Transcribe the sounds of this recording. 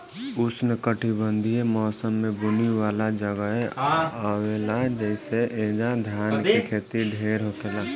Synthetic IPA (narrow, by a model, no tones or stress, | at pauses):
ʊsnəkəʈʰibə̃nd̪ʱiemɔːsəmːẽbʊniwaːlad͡ʒəɡəeaːweːlad͡ʒɛɪseʔeːd͡ʒãd̪ʱjaːnkekʰeːt̪iɖʱeːɾɦokela